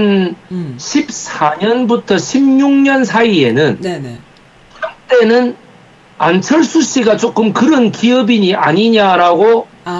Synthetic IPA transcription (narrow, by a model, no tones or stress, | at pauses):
n | ɕʰip̚saɲʌnbutʰʌɕʰimɲuŋɲʌnsʰaie̞nɯn | kɯʌnt͈e̞nɯn | ant͡ɕʰʌɭs͈uɕ͈iɡat͡ɕ͈ok͈ɯmkɯɾʌnkiʌbiɲia̰ɲiɲaɾaɡo